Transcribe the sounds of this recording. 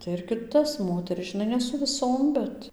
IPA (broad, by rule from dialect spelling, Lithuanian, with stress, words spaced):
tɐɪ ɪr kʲɪˈtɐs ˈmoːtʲɛrʲɪs ʒʲɪˈnɐɪ nʲɛ sʊ ʋʲɪˈsoːm ˈbʲɛt